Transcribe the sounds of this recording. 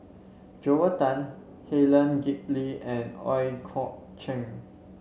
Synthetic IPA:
d͡ʒowətãn | helə̃nɡip̚liɛ̃nɔ̰jkʰɔʔ̚ | t͡ʃɛ̃ŋ

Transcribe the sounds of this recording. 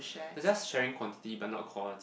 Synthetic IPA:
ʃɛd͡ʒɛsʃɛɹɪ̃ŋkʰwɔ̃ntɪ̥tibat̚ⁿnɔ̰t̚kʰwɔlət

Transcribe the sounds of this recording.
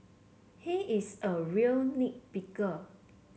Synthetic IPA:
hiʔisəɹiəlnik̚pikə

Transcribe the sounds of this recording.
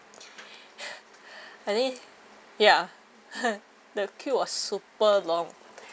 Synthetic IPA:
atĩ | ja | dəkʰjuwɔssupəlɔ̃ŋ

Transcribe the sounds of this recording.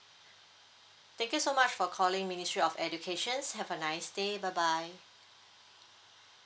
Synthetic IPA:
t̪ɛ̃ŋkjusomat͡ʃfɔkʰɔlɪ̃ŋministɹiɔfɛd͡ʒukʰeʃə̃nshɛvənaɪsdebaɪbaj

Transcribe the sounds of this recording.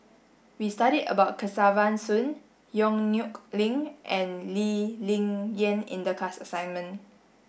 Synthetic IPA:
wistaɾidə̰baʊt̚kʰəsavãnsũn | jɔ̃ŋnjuklĩŋʔɛ̃nlilĩŋjə̃nḭ̃ndəkasəsãjnmə̃n

